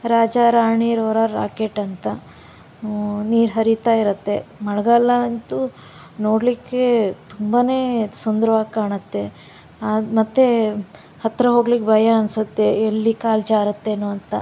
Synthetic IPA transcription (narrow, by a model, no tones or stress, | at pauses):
ɾaːd͡ʒaɾaːɳiːɾɐʋɾaɾa̰ːkeʈɐnt̪ɐ | niːɾɦɐɾit̪aːiɾɐt̪ːe̞mɐɽɐɡɐlːɐnt̪u | no̞ːɽlikːet̪umbaːne̞ːsond̪ɐɾɐʋaːkaːɳɐt̪ːe̞ | amɐt̪ːe̞ | hɐt̪ɾɐɦo̞ːɡlikbʱɐjɐɐnsɐt̪ːe̞ːlːikaːlt͡ʃaːɾɐt̪ːe̞nuːɐnt̪ɐ̰